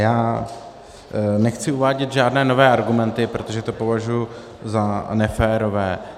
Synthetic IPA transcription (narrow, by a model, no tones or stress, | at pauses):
jaː | nɛxt͡sɪuvaːɟɛt̪ʒaːdnɛːno̞vɛːʔaɾɡumɛnt̪ɪpɾo̞t̪oʒɛt̪o̞po̞vaʒuju | zanɛfɛːɾo̞vɛː